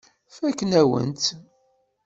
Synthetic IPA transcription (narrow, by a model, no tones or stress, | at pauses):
fækːənæwə̰nt̪